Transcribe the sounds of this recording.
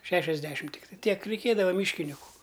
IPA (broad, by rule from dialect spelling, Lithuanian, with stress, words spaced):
ˈʃʲæːʃʲɛzʲˌdʲæːʃʲɪm ˈtʲɪktɐɪ ˈtʲiɛk rʲɛɪˈkʲeːdɐʋɐ ˈmʲiːʃʲkʲɪnʲɪkʊ